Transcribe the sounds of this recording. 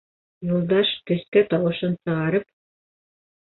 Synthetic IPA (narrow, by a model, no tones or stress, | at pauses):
julˠd̪ɑʃkɵ̆skæt̪ɑwɤ̆ʃɤnsɤ̆ʁɑɾɤp̚